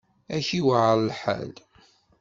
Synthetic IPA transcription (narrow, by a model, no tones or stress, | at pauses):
æçiwʕəɾˤlħa̰l